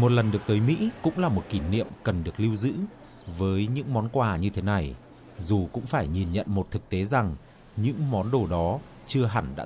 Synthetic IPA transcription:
mo˨˩t̚lə˨˩nɗɨ˨˩ək̚t̪əː˨˦jmḭ˧˥kʊ̰˧˥ŋ͡mlaː˨˩mo˨˩t̚ki˧˩nḭ˧˨əmkə˨˩nɗɨ˨˩ək̚li˧wzɨ̰˧˥ | vəː˨˦jɲɨ̰˧˥ŋmɔ˨˦nkwaː˧˨˩ɲɨ˧t̪ʰe˨˦na˨˩j | zu˨˩kʊ̰˧˥ŋ͡mfaː˧˩jɲi˨˩nɲə̰˧˨nmo˨˩t̚t̪ʰɨ˨˩k̚t̪e˨˦za˨˩ŋ | ɲɨ̰˧˥ŋmɔ˨˦nɗo˨˩ɗɔ˨˦ | t͡ɕɨ˧əɦa˧˩nɗa̰ː˧˥

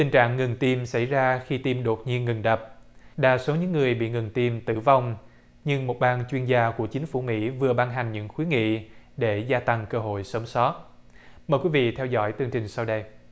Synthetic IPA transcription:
t̪ï˨˩ŋ̟t͡ɕa̰ː˧˨ŋːɨ˨˩ŋt̪i˧msa˧˩jzaː˧xi˧t̪i˧mɗo˨˩t̚ɲi˧ənŋɨ˨˩ŋɗə˨˩p̚ɗa̰ː˧˩so˨˦ɲɨ̰˧˥ŋːɨ˨˩əjɓḭ˧˨ŋɨ˨˩ŋt̪i˧mt̪ɨ˧˩va˧wŋ͡m | ɲɨ˧ŋmo˨˩t̚ɓaː˧nt͡ɕwi˧ənzaː˧ku˧˩ət͡ɕï˨˦ŋ̟fu˧˩mḭ˧˥vɨ˨˩əɓaː˧nɦa˨˩jŋ̟ɲɨ̰˧˥ŋxwi˨˦ŋḭ˧˨ɗe˧˩zaː˧t̪a˧ŋkəː˧ɦo̰˧˨jsə˨˦msɔ˨˦˥t̚ | məː˨˩jkwi˨˦vḭ˧˨t̪ʰɛ˧wzɔ̰˧˥˩jt̪ɨ˧əŋt͡ɕï˨˩ŋ̟sa˧wɗə˧j

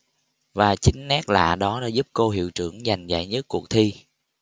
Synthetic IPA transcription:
vaː˨˩t͡ɕi˨˦ŋ̟nɛ˦˥t̚la̰ː˧˨ɗɔ˨˦ɗa̰ː˧˥zu˦˥p̚ko˧ɦḭ˧˨wt͡ɕɨ˧˩əŋza˨˩jŋ̟za̰ː˧˨jɲə˦˥t̚ku˨˩ək̚t̪ʰi˧

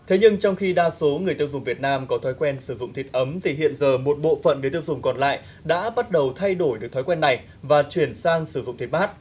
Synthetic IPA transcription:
t̪ʰe˨˦ɲɨ˧ŋt͡ɕɔ˧wŋ͡mxi˧ɗaː˧so˨˦ŋɨ˨˩əjt̪ɨ˧wzʊ˨˩ŋ͡mvi˨˩ət̚naː˧mkɔ˨˦t̪ʰɔ˨˦jkwɛ˧nsɨ˧˩zʊ̰˧˨ŋ͡mt̪i˨˩t̚ʔə˨˦mt̪ʰi˧˩ɦḭ˧˨ənzəː˨˩mo˨˩t̚ɓo̰˧˨fə̰˧˨nɗɨː˨˦jt̪ɨ˧əwzʊ˨˩ŋ͡mkɔ˨˩nla̰ː˧˨j | ɗa̰ː˧˥ɓa˦˥t̚ɗə˨˩wt̪ʰa˧jɗo˧˩jɗɨ˨˩ək̚t̪ʰjkwɛ˧nːa˨˩j | vaː˨˩t͡ɕwi˧˩ənsaː˧ŋsɨ˧˩zʊ̰˧˨ŋ͡mt̪i˨˩t̚maː˦˥t̚

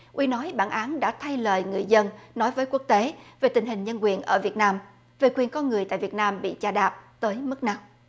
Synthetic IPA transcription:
ʔwi˧nɔ˨˦jɓaː˧˩nʔaː˨˦nɗa̰ː˧˥t̪ʰa˧jləː˨˩jŋɨ˨˩əjzə˧nnɔ˨˦jvəː˨˦jku˦˥ək̚t̪e˨˦ve˨˩t̪ï˨˩ŋ̟ɦï˨˩ŋ̟ɲə˧nkwi˨˩ənʔəː˧˩vi˨˩ət̚naː˧m | ve˨˩kwi˨˩ənkɔ˧nŋɨ˨˩əjt̪a̰ː˧˨jvi˨˩ət̚naː˧mɓḭ˧˨t͡ɕaː˧ɗaː˨˩p̚t̪əː˨˦jmɨ˦˥k̚na˧m

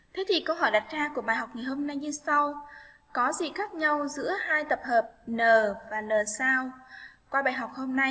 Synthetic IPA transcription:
t̪ʰe˨˦t̪ʰi˨˩kə˧wɦɔ˧˩jɗa˨˩t̚zaː˧ku˧˩əɓaː˧˩jɦa˨˩wk͡p̚ŋaː˨˩jho˧mna˧jɲɨ˧sa˧w | kɔ˨˦zi˨˩xaː˦˥k̚ɲa˧wzɨ̰˧˥əhaː˧jt̪ə˨˩p̚həː˨˩p̚nəː˨˩vaː˨˩nəː˨˩saː˧wkwaː˧ɓaː˨˩jɦa˨˩wk͡p̚ho˧mna˧j

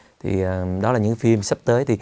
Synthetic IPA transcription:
t̪ʰḭ˨˩əː˨˩ɗɔ˨˦aː˨˩ɲɨ̰˧˥kfi˧msə˦˥p̚t̪əː˨˦jt̪ʰi˨˩

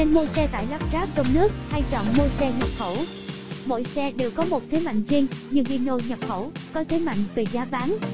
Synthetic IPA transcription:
ne˧nmo˧jsɛ˧t̪a̰ː˧˨jla˦˥p̚zaː˦˥p̚t͡ɕɔ˧wŋ͡mnɨ˦˥ək̚ha˧jt͡ɕɔ̰˧˨wŋ͡mmo˧jsɛ˧ɲə˨˩p̚xə˧˩w | mo̰˧˩˨jsɛ˧ɗe˨˩wkɔ˨˦mo˨˩t̚t̪ʰe˨˦jma̰˧˨jŋ̟zi˧əŋɲɨ˧ŋʔi˧no˧jɲə˨˩p̚xə˧˩wkɔ˨˦t̪ʰe˨˦jma̰˧˨jŋ̟ve˨˩zaː˨˦ɓaː˨˦ŋ

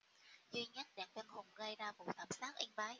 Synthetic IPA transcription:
zi˧ɲə˦˥t̚ɗa˨˩ŋvə˧nhʊ˨˩ŋ͡mɣə˧jɗaː˧˩vṵ˧˨t̪ʰa˨˩msaː˦˥t̚ʔi˧ŋvaː˨˦j

